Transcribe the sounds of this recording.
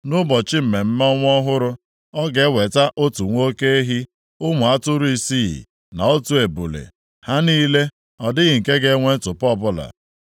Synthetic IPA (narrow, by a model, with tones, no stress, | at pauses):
nʊ˦bɔ˨t͡ʃɪ˦m̩˨me˨m̩˦m˦ɔ˦ŋʷ˦ɔ˦ɦʊ˦ɾʊ˦ | ɔ˦ɡe˨˦we˨ta˦ʔo˦tu˨ŋʷo˦ke˦e˦ɦi˦ | ʊ˦ŋʷʊ˨a˦tʊ˦ɾʊ˨˦i˦sḭ˦˨ | na˨o˦tu˨e˨bu˨lḛ˨ | ha˦niː˦le˦ | ɔ˨dɪ˦ɣɪ˨ŋ̩˨ke˦ɡe˦ŋʷe˦n̩˦tʊ˨pɔ˦bʊ˦la̰˨